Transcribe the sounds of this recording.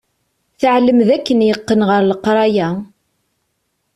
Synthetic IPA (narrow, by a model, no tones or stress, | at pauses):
θəʕləmðækːənjəqːənʁəɾləqɾˤɑjæ